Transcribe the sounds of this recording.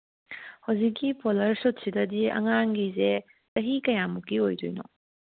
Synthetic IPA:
hɐwzikːipolɐɾsot̚sidɐdiɐ̰ŋaŋɡize | tɐɦikɐjamukːiojdojnɔ̰

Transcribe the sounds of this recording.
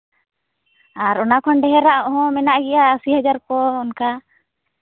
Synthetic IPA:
aɾɔnakʰɔnɖɛɦɛɾaʔɔɦɔ̃mɛnaʔɡɛjaːsiɦad͡ʒaɾkɔɔnka

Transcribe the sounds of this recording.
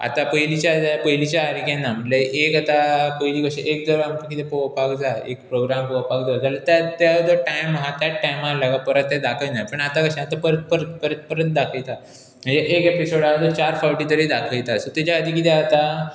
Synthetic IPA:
a̰t̪apəɦjlit͡ɕjad̪apəjlit͡ɕjaɦaɾikẽnam̤əʈleʔekat̪apəjlikəɕḛʔek̚d̪əɾamkikit̪ẽpəəpakd͡zaekpɾoɡɾampəʋəpakd͡zad͡zalət̪at̪jaəd̪əʈajmɦat̪jaʈːajmalakapəɾət̪ːed̪akʰəjnajpəɳat̪akəɕɛ̃at̪apəɾət̪̚pəɾət̪pəɾət̪̚pəɾət̪̚d̪akʰəjt̪a | m̤əɳd͡zeʔekepisoɽaʋəd̪ət͡ɕaɾfaʋʈit̪əɾid̪akʰəjt̪asət̪ad͡ʑaəd̪ʱikit̪ẽat̪a

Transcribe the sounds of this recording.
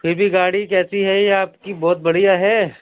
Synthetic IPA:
pʰɪɾbʱiɡaːɽikɛːsiɦɛaːpkibɔːt̪̚bɐɽijaɦɛː

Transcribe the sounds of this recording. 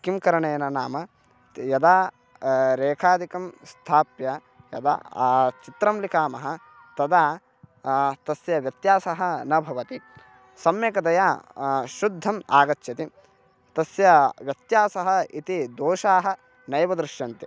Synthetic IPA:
kimkɐɾɐɳɐjɐnɐnaːmɐ | jɐd̪aː | ɾeːkʰaːd̪ikɐmst̪ʰaːpjɐ | jɐ̰d̪a̰t͡ʃit̪ɾɐmlikaːmɐɦɐ̆ | t̪ɐd̪aː | t̪ɐsjɐʋjɐt̪jaːsɐɦɐ̆nɐbʱɐʋɐt̪i | sɐmjɐkɐd̪ɐjaːʃud̪ʱːɐmaːɡɐtːʃɐt̪i | t̪ɐsjɐʋjɐt̪jaːsɐɦɐ̆it̪id̪oːʃaːɦɐ̆ | nɐjʋɐd̪ɾɪʃjɐnt̪i

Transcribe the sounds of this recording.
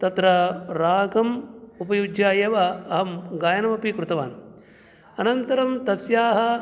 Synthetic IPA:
t̪ɐt̪ɾɐɾaːɡɐmupɐjud͡ʒjaːjɐʋɐɐɦɐmɡaːjɐnɐmɐpikɾut̪ɐʋaːni | ɐnɐnt̪ɐɾɐmt̪ɐsjaːɦɐ

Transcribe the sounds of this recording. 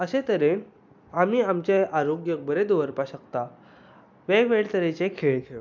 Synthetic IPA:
əsẽt̪əɾen | amiːamt͡ɕeaɾoɡjək̚bəɾed̪oʋəɾpaɕəkt̪a | ʋeʋeɭt̪əɾet͡ɕekʰeɭekʰeʋe

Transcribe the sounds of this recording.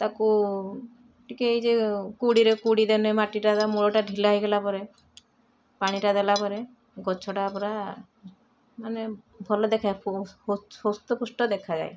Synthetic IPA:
t̪aku | ʈʰikeejd͡ʒekuɽiɾekuɽid̪enemaʈiʈat̪amuɭɔʈaɖʱilaɦjɡelapɔɾe | paɽ̃iʈad̪elapɔɾe | ɡɔt͡ʃʰɔʈaːpɔɾa | mane | bʱɔlɔd̪ekʰapu | ost̪ɔpusʈɔd̪ekʰad͡ʒa̰j

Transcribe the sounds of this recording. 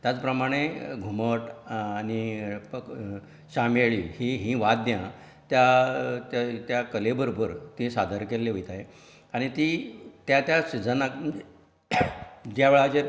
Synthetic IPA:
t̪jat͡spɾəmaɽ̃eɡʱuməʈañi | ɕameɭihiɦĩʋad̪jã | t̪jat̪t̪jakəlebəɾobəɾt̪isad̪ʱəɾkelːeʋəjt̪aje | aɽ̃it̪it̪jat̪jaɕid͡zəna | d͡ʑjaʋeɭat͡ɕe

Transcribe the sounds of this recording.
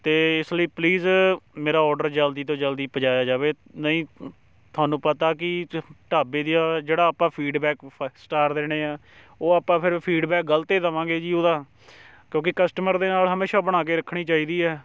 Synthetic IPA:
t̪eːɪsləiːpliːzmeːɾaːɔːɾɖəɾd͡ʒəld̪iːt̪̬õːd͡ʒəld̪iːpəd͡ʒaːjaːd͡ʒaːʋeːnəĩː | t̪ʰʊaːnũːpət̪aːkɪʈaːbeːd̪iːaːd͡ʒeːɽaːpːãːpʰiːɖbɛːksʈaːɾd̪eːɽ̃eːaː | oːaːpːãːpʰɪɾpʰiːɖbɛːk̚ɡəlt̪eːd̪əʋãːɡeːd͡ʒiːoːd̪aː | kjõːkɪkəsʈəməɾd̪eːnaːlɦəmeːʃaːbəɽ̃aːk̬eːɾəkʰɽ̃iːt͡ʃaːiːd̪iːɛː

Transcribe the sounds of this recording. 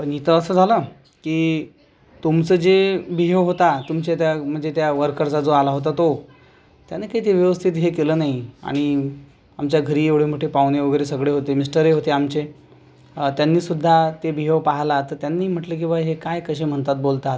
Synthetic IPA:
pəɳit̪ʰəəsəːd͡zʱalə | kiː | t̪umt͡səːd͡ʑebʱiɦeʋɦot̪at̪umt͡ɕet̪jam̤əɳd͡zet̪jaʋəɾkəɾt͡sad͡zoalaɦot̪at̪o | t̪janekaiːt̪eʋjəʋəst̪ʰit̪ɦekeləːnaɦia̰ɽ̃i | amt͡ɕjaɡʱəɾiːeʋɽ̤em̤əʈepawneʋəɡəjɾesəɡɭeɦot̪emisʈəɾeɦot̪eamt͡ɕe | t̪janːiːsud̪ʱːat̪ebʱiɦeʋpaɦlat̪ət̪janːiːm̤əʈlək̬ĩw̃ʋaɦekajkəɕem̤əɳt̪at̪̚bolt̪at̪

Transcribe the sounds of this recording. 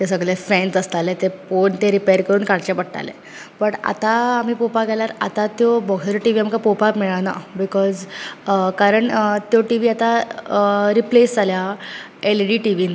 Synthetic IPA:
t̪esəɡɭefɛ̃nsəst̪alet̪epoɳt̪eɾipejəɾkəɾuːnkaɽt͡ɕepəɽʈa̰lḛ | bəʈa̰t̪aːm̤iːpopaɡʱɛlaɾa̰t̪at̪jobɔɡʱəɾʈiʋiamkapopamiɭana̰bikɔz | kaɾəɳt̪joʈiʋiːat̪a | ɾiplesd͡zʱalja | elɖiːʈiʋiːn

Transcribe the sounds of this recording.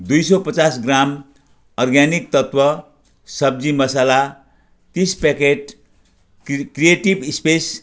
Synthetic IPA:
d̪ujsʌpʌt͡sasɡram | ɔrɡanik̚t̪ʌt̪wʌ | sʌb̚d͡zimʌsala | t̪ispekeʈ̚ | krijeʈibspes

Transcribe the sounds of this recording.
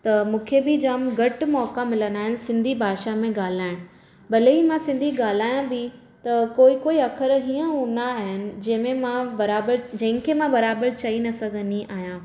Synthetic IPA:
t̪ɐmũːkʰebɪd͡ʑaːmɡɐʈmɔːkamɪlənd̪aːɦɪnɪ̆sɪ̃nd̪ʱibʱaːʃamẽɡaːl̤aːɪɽ̃ | bɐleimãsɪ̃nd̪ʱiɡaːl̤aːjãbɪ | t̪ɐkoːikoːiɐkʰəɾɦiːə̃ɦũːnd̪aɦɪnɪ̆d͡ʑɐ̃ɦɪ̃mẽmãbɐɾaːbəɾd͡ʑɐ̃ɦɪ̃kʰemãbɐɾaːbəɾt͡ɕɐinɐsɐɡʱəniʔaːɦjã

